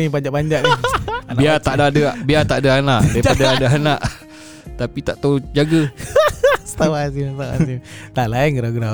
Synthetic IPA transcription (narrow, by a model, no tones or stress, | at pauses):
ipaɲd͡ʒaʔpaɲd͡ʒaʔnanaiat̪aʔdadəaʔbiat̪aʔdaanaʔdaiadaadaanaʔ | t̪apit̪aʔt̪awd͡ʒaɡə | sə̥t̪awasimst̪awasimt̪aʔlainkəɾaɡɾa